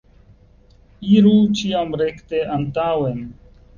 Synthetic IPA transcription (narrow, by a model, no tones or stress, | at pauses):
iːɾuːt͡ʃʰiːamɾeːkʰt̪eːʔəmt̪aːwen